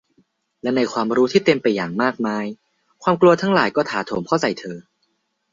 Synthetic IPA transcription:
lɛ˦˥na˧jkʰwaː˧mɾuː˦t̪ʰiː˥˩t̪e˧əmpa˧jːaː˨˩ŋmaː˥˩k̚maː˦˥j | kʰwaː˧mklu˧ɐt̪ʰaː˦˥ŋlaː˨˩˦jkɔː˥˩t̪ʰaː˩˦t̪ʰoː˨˩˦mkʰa˥˩wsa˨˩jt̪ʰɤː˧

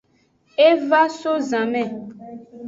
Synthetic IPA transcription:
e˦va˦so˦zã˨mɛ̃˦˨

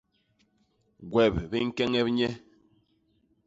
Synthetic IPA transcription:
ɡwɛ˨pbi˦ŋ̩˦kɛ˦ŋɛ˦p̚ɲɛ˦

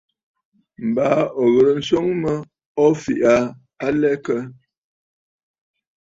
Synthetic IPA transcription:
m̩˨baː˨˦ɔ˨ɣə˨ɾə˨n̩˦so˦ŋmə˦ | ɔ˦fi˨ʔa˨˦ | a˦lɛ˦kə˦

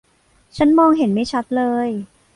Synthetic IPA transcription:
t͡ɕʰa˦˥nmɔː˧ŋɦe˨˩˦nma˥˩jt͡ɕʰa˦˥t̪̚lɤː˧j

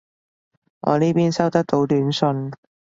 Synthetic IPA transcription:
ŋɔ̰ː˨˧niː˥piː˥nsɐ˥wt̪ɐ˥k̚t̪o˨˧˥wt̪yː˨˥nsɵ˧n

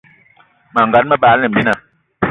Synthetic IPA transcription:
ma˨ŋɡa˨˦nmə˦baː˦lnɛ˨m̩˨bi˦na˨

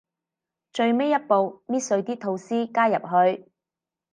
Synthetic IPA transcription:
t͡ʃɵ˧ɥme˥jɐ˥t̚po˨wmiː˥t̚sɵ˧ɥt̪iː˥t̪ʰo˧wsiː˥kaː˥jɐ̰˨p̚ɦɵ˧ɥ

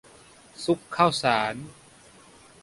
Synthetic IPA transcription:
su˦˥kʰːa˥˩wsaː˩˦n

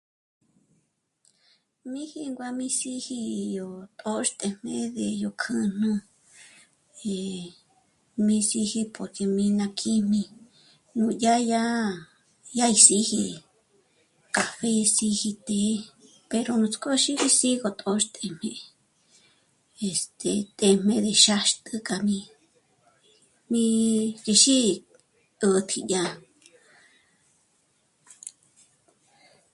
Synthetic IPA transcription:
mĩ˦hi˧ŋɡʷa˧mĩ˧si˧hi˧jo˧˨t̪ʼo˦ʃt̪ʼe˧m̥ẽ˧ðe˨jo˧kʰɨ̃˧n̥ɨ̃˦˧ | e˨ | mĩ˧si˧hi˧po˨ɾke˧mĩ˧nã˧kʰi˦mĩ˧ | nũ˧ja˦ja˦ | ja˦i˧si˧hi˧ | ka˨βe˧si˧hi˧t̪e˧˦ | pe˧ɾo˧nũ˧t͡skʼo˦ʃi˦ɾi˦si˦ɣo˧t̪ʼo˧ʃt̪ʼe˧m̥ẽ˧ | e˨st̪e˨t̪ʼe˧˨m̥ẽ˧d̪e˨ʃa˧ʃt̪ʼɨ˧kʼa˧mĩ˧ | mĩ˧ke˧ʃi˦ | ə˧t̪ʰi˧a˧

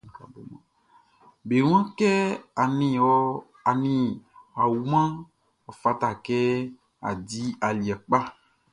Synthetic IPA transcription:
bo˨mã˨ | be˨w̃ã˦kɛ˦a˨nĩ˨ɔ˦ | a˨nĩ˦a˨wu˨mã˦ | ɔ˨fa˦t̪a˨kɛ˦ | a̰˨di˦a˨li˨a˨k͡pa˦

